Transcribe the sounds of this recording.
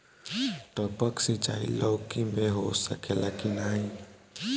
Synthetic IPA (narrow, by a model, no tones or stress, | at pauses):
t̪əpəksit͡ʃaḭlʔəwkimeɦosə̰kelakinai